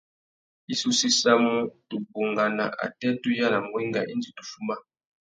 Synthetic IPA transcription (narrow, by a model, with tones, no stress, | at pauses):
i˦su˦si˦sa˦mu˦tu˨bo˨ŋɡa˨na̰˨ʔa̰˨tɛ˦tu˦ja˦la˨ŋɡwɛ˦ŋɡa̰˨ʔi˦nd͡ʒi˨tu˨fu˦ma˦